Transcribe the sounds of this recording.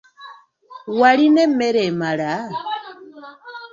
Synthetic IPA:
walinɛmɛɾɛmala

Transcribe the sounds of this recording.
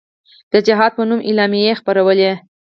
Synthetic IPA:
d̪̥əd͡ʒɪɦɑd̪̚pənumʔɪlɑmijexpaɾawəle

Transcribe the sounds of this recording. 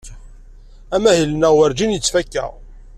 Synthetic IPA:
æmæhilnæʁwəɾd͡ʒinjət͡sːfækːæ̰ʁ

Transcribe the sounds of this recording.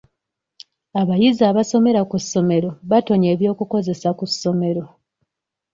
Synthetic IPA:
aβajizaːβaso̞me̞ɾakusːo̞me̞ɾo̞βato̞ɲeːβjo̞ːkuko̞ze̞sakusːo̞me̞ɾo̞

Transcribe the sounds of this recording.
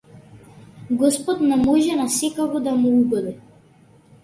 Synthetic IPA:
ɡɔspɔt̪nɛmɔʒɛnasɛkakɔd̪amuuɡɔd̪ɛ

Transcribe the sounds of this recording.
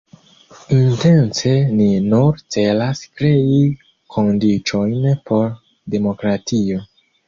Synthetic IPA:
inte̞nse̞ninuɾt͡se̞laskɾe̞i | kʰo̞ndit͡ʃo̞jnpo̞ɾ | de̞mo̞kɾatʰio̞

